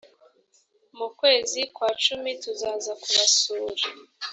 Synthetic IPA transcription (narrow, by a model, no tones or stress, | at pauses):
mukwe̞ːzikwaːt͡ʃumituzaːzakuβasuːɾa